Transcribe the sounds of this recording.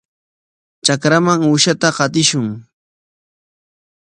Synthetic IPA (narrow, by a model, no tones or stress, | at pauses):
t͡ʃakɾamaŋʊʃat̪aqɑt̪ɪʃʊŋ